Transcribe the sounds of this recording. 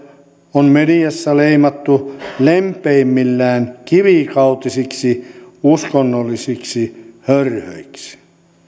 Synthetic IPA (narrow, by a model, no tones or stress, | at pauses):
onmedijæsːæleimɑt̪ːulempeimːilːæːnkiʋikɑut̪isiksiuskonːolːisiksihørhø̰iksi̥